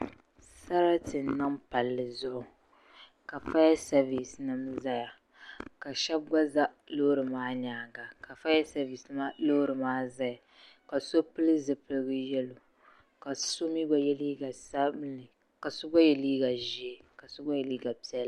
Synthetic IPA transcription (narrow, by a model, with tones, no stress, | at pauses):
sa˦ɾa˦tɨ˨n˨nːɨ˦mpa˨lːɨ˨zʊ˦ʔʊ˨ | ka˨fa˦jɛ˦sa˦vi˨snɨ˦mza˦ja˨ | ka˨ʃɛ˦b̚ɡʷa˦za˦ | lo˦ɾɨ˨maː˦ɲaː˨ɡa˨ka˨fa˦jɛ˦sa˦vi˨sma˦lo˦hɾɨ˨maː˦za˦ja˨ | ka˨so˦pɨ˦lɨ˦zɨ˨pɨ˨lɨ˦ɡɨ˦jɛ˦lo˨ | ka˨so˦mi˦ɡ͡ba˦jɛ˦liː˦ɡa˨sa˦blɨ˨ | ka˨sʊ˦ɡa˦jɛ˨liː˦ɡa˨ʒi˨˦e˦ka˨sʊ˦ɡa˦jɛ˨liː˦ɡa˨pi˦ɛ˦l